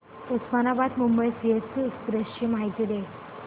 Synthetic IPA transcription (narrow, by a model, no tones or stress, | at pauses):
ut̪smanabad̪mumbəjsiɦəsukp̪ɾəɕt͡ɕimaɦjt̪id̪e